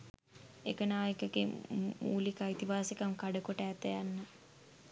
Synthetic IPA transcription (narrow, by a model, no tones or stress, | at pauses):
ekənaːjekəɡemṵːlikait̪iʋaːsekəmkaɖəkoʈːt̪əjanːə